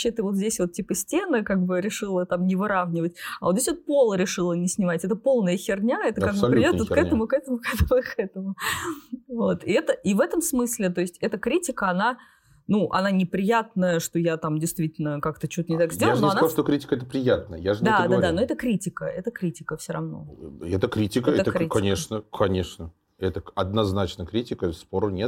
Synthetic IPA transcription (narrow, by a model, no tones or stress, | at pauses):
t͡ɕːet̪ɨvo̞t̪zʲdʲesʲvo̞t̪tʲːipəsʲtʲenəkaɡ̚bɨɾʲɪʂɨlˠət̪amnʲɪvɨɾavnʲɪvətʲavot̪zʲesvot̪̚po̞lˠəɾʲɪʂɨlˠənʲɪsʲnʲɪmatʲɛt̪əpo̞lˠnəjəxʲɪrnʲaɛt̪əkaɡ̚bɨpɾʲɪɪdʲovotkɛt̪əmʊkɛt̪əmʊkɛt̪əmʊkʰɛt̪əmʊ | vot̪ɪɛt̪əʔivɛt̪əmsmɨsʲlʲɪt̪o̞ɪsʲtʲɛt̪əkɾʲitʲɪkəɐna | nuʔɐ̰nanʲɪpɾʲɪjat̪̚nəjəʂt̪o̞jat̪amdʲɪjst̪vʲitʲɪlʲnəkakt̪ət͡ɕut̪ənʲɪt̪akzʲdʲellanoɐnaʂt̪okɾʲitʲɪ̥kəɛt̪əpɾʲɪjat̪̚nəjə̰jaʐɨnd̪adɡ̪ad̪ano̞ɛt̪əkɾʲitʲɪkə̰ɛt̪əkɾʲitʲɪkəfsʲoɾɐvno̞̰ɛt̪əkɾʲitʲɪkəɛəkɾʲikɐnʲeʂnəkʰɐnʲeʂnə | ɛt̪əɐd̪nɐznat͡ɕnəkɾʲitʲɪkəspoɾənʲet̪